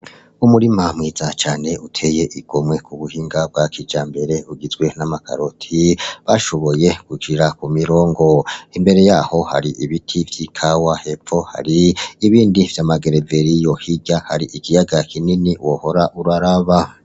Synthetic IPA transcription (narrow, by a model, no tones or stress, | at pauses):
umuɾimamŋiːz̥at͡ʃaːne̞utʰe̞je̞ʔiɡ̥omwe̞kuβuhiːŋɡab̚ɡakʰid͡ʒaːmbe̞ɾe̞uɡizɡwe̞namakʰa̰ɾotʰiβaʃo̞βo̞je̞kuɡiɾakumiɾo̞ːŋɡo̞imbe̞ɾe̞jaːho̞ha̰ɾiʔiβitʰivjikʰawahe̞fo̞ha̰ɾiːβiːndiv̥jamaɡe̞ɾeve̞ɾijo̞hiɟaha̰ɾiʔikijaɡakininiwoho̞ɾaʔuɾaɾaβa